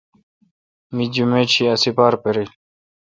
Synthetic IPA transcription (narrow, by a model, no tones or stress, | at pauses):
mid͡ʑumet͡ɕʰiɐsipaːɾpeɾil